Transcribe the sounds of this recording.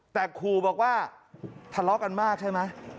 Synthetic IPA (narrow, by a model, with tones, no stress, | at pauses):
t̪ɛː˨˩kʰuː˧bɔː˨˩k̚waː˥˩t̪ʰa˧lɔ˦˥ka˧nmaː˥˩k̚t͡ɕʰa˥˩jma˦˥j